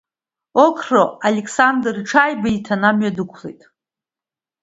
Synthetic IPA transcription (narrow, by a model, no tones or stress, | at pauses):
okʰroalʲekʰʼsandrʈ͡ʂʰajbaitʰanamɥadɨkʷʰlḛjtʼ